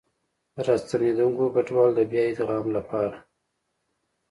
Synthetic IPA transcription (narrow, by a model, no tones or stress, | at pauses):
d̪əɾɑst̪aned̪uŋkobaʈwɑld̪əbjɑjed̪əɣɑmlapɑɾa